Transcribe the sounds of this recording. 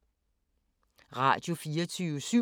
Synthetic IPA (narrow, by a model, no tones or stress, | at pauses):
ʁɑ̰̈d̥jo̝fiːɐt͡sʰyːʋəsy